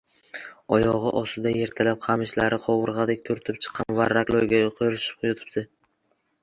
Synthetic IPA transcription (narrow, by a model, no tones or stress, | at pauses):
ɒjɒʁɨʔɒsɪd̪aje̞ɾt̪ʰalap̚qʰɑmɪʃlaɾɪqʰɒwɨɾʁɑd̪ɪk̚ʲt̪ʰʊɾt̪ʰɪp̚t͡ʃʰɨ̥qʰːɑmvaɾaklˠoɾɡʲaoqʰojɾɪʃɪ̥p̚qʰʊjʊt̪ʰɪ̥p̚t̪ɪ